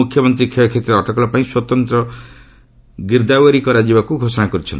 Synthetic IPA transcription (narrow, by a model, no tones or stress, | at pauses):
ukʰːjɔmɔnt̪ɾikʰejɔkʰet̪ɾeɔʈɔkɔlɔpaĩswɔt̪ɔnt̪ɾɔ | ɡiɾd̪awaɾikɔɾad͡ʒibakuɡʱosɔnakɔɾut͡ʃʰɔ̰nt̪